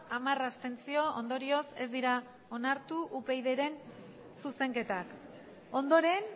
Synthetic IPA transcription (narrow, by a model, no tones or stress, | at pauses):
amarast̪e̞nt͡sio̞o̰nd̪o̞ɾio̞se̞zd̪iɾa | o̞naɾt̪uʔupe̞jðe̞ɾe̞n | suse̞ŋke̞t̪ak | o̞nd̪o̞ɾe̞n